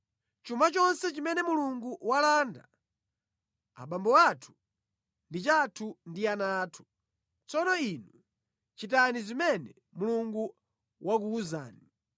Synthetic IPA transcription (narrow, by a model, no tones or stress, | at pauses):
t͡ʃumbat͡ʃɔnsɛt͡ʃimɛnɛmuluŋɡuwalaːnda | a̰ɓambɔwatʰu̥ | ndit͡ʃatʰundianaːtʰu̥ | t͡sɔnɔinu | t͡ʃit̬anizimɛnɛ | muluŋɡu | wʔakuːza̰ːni